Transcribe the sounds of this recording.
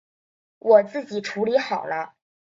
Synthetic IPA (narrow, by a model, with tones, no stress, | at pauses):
wʔɔ˨˩t͡sɹ̩˥˩t͡ɕi˨˩ʈ͡ʂʰu˧˥li˧˥xɑ˨˩ʊlə˦